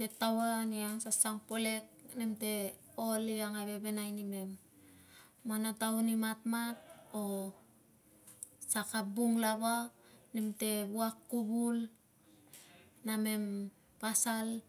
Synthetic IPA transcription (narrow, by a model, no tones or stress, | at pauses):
tetawaniaŋsasaŋpole̞k̚nemte̞ | oliaŋaβe̞be̞najnime̞mː | anataunimatmat̚o | sakabuŋlaβanemte̞βuakːubul | name̞m | pasal